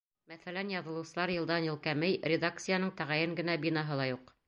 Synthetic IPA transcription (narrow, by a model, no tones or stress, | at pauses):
mæθælænjɑðɤ̆lˠɤ̆wsɤ̆lˠɑɾjɤ̆lˠd̪ɑnjɤ̆lˠkæmɘjɾʲɪd̪ak̚t̪sɨjanɤɴt̪æʁæjɘŋɡɘ̆næbinɑɦɤlˠɑjuq